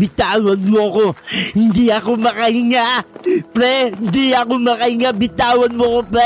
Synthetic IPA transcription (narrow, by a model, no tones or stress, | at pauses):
bɪt̪aːwɐnmoɐko̞hɪnd̪iʔɐko̞mɐkɐhɪŋaʔpɾɛɪnd̪iɐkomɐkɐhɪŋabɪt̪aːwɐnmoɐkopɾɛ